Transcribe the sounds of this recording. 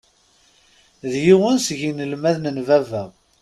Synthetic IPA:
ðjiwənsʝinəlmæðnənvævæ

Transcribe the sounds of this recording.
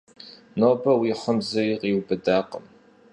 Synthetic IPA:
noːbɐwiːħəmzɐjɪqiːwbɨdaːqəm

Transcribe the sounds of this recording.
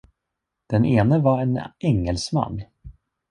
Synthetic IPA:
d̪̥ɛnʔeːnəvaɾɛnɛŋːəlsma̰nː

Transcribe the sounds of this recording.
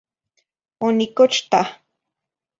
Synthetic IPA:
onikot͡ʃt̪a

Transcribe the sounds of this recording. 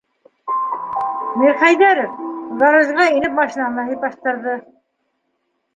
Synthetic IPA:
miɾχæjðæɾofðɑɾɤ̆zʁɑinɘp̚mɑʃinɑlɑɦipɑʃt̪ɤ̆ɾðɤ

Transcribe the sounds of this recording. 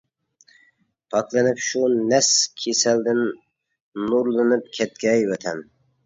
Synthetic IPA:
pʰɑklˠɨnɨpʃunɛskʲʰesɛld̪ɪnː | uɾlˠɨnɨp̚kʲʰɛt̪̚kʲɛːjvɛt̪ʰɛn

